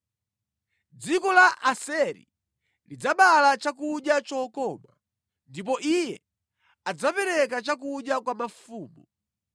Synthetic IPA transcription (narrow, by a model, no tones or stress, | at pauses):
d͡zikɔlaʔasɛɾḭ | lid͡zaɓalat͡ʃak̬uɗjat͡ʃɔkɔːma | ndip̬ɔʔijɛ | ad͡zapɛɾɛk̬at͡ʃak̬uɗjakwamafuːmbu